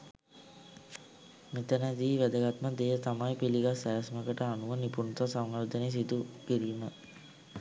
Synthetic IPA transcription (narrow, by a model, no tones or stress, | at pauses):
mit̪ənd̪iːʋæd̪əɡat̪məd̪ejət̪amajpiliɡasæːsməkəʈəanuʋənipunt̪asaŋːaɾd̪ənes̬id̪ukiɾiːmə